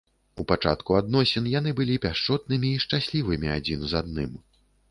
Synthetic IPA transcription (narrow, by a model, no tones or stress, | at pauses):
upat͡ʂa̰t̪kuad̪nɔsʲɛnjan̪ɨbɨlʲipʲaʂt͡ʂɔt̪̚nɨmʲiːʂt͡ʂasʲlʲivɨmʲia̰d͡zʲinzad̪̚nɨ̰m